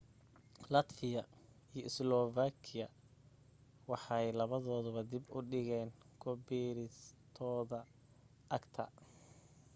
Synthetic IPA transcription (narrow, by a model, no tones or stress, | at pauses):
lɐt̪fɪjɐ | ijɔʔɪslɔːvaːkʰɪjɐ | wɑħɑjlɐβɐðɔːðʊβɐd̪ɪbʊɖɪɣɛːn | kʰɔbiːɾɪst̪ʰɔːðɐ | ʔɐɡt̪ʰɐ̰